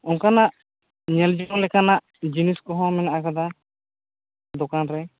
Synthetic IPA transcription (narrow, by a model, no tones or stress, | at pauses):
ɔŋkanaʔ | ɲɛld͡ʒɔɔlɛkanaʔ | d͡ʒiniskɔɦɔ̃mɛnaʔakad̪a | d̪ɔkanɾɛ